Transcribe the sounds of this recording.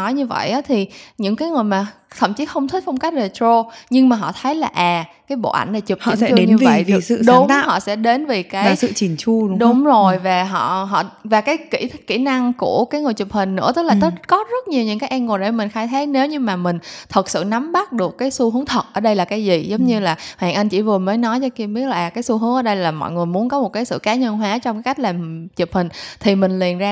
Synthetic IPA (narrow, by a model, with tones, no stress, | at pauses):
nɔ˨˦jɲɨ˧və̰˧˨jʔaː˨˦t̪ʰi˨˩ɲɨ̰˧˥ŋkaː˨˦jŋɨ˨˩əjmaː˨˩t̪ʰə̰˧˩˨mt͡ɕi˨˦xə˧wŋ͡mt̪ʰï˦˥t̚fə˧wŋ͡mka˦˥jk̚ze˨˩t̪ɾo˧ɲɨ˧ŋmaː˨˩ɦɔ̰˧˨t̪ʰə˨˦jlaː˨˩ʔaː˨˩kaː˨˦jɓo̰˧˨ʔa̰˧˩jŋ̟na˨˩jt͡ɕu˨˩phḭ˨˧˨ɛ˧t͡ɕːe˨˦ɲɨ˧və̰˨˧˨jvsɨ̰˧˨ɗʊ˧˨˦ŋ͡mhɔ̰˧˨sɛ̰˧˥ɗe˨˦nve˨˩kaː˨˦˨jsɨ̰˧˨t͡ɕi˨˩nt͡ɕu˧˨˦ɗʊ˨˦ŋ͡mzo˨˩jvaː˨˩ɦɔ̰˧˨ɦɔ̰˧˨vaː˨˩kaː˨˦jkḭ˧˩t̪̚ʰkːḭ˧˩na˧ŋku˧˩əkaː˨˦jŋɨ˨˩əjt͡ɕu˨˩p̚hï˨˩ŋ̟nɨ̰˧˥ɨ˦˥laː˨˩t̪ɨ˦˩˥t̚kɔ˨˦zə˦˥t̚ɲi˨˩əwɲɨ̰˧˥ŋkaː˨˦jʔɛ˧nŋo˨˩ɗe˧˩mï˨˩ŋ̟xaː˧jt̪ʰaː˨˦˥ne˨˦wɲɨ˧maː˨˩mï˨˩ŋ̟t̪ʰə˨˩t̚sɨ̰˧˨na˨˦mɓa˦˥t̚ɗɨ˨˩əkːaː˨˦jsu˧hɨ˨˦əŋt̪ʰə˨˩t̚ʔəː˧˩ɗə˧jlaː˨˩kaː˨˦jzi˨˩zə˨˦wŋ͡mɲɨ˧laː˨˩ha̰ː˧˨ŋʔa˧jŋ̟t͡ɕḭ˧˥˩vɨ˨˩əməː˨˦jnɔ˨˦jt͡ɕɔ˧ki˧əmɓi˦˥ət̚laː˨˩kaː˨˦jsu˧ɦɨ˨˦ŋʔəː˧˩ɗə˧jlaː˨˩mɔ̰˧˨jŋɨ˨˩əjmu˨˦ənkɔ˨˦mo˨˩t̚kaː˨˦sɨ̰˧˨kaː˨˦ɲə˧nɦwaː˨˦t͡ɕɔ˧ŋ͡mkaː˨˦ka˥jk̚laː˨˩mt͡ɕi˨˩əp̚hï˨˩ŋ̟t̪ʰi˨˩mï˨˩ŋ̟li˨˩ənzaː˧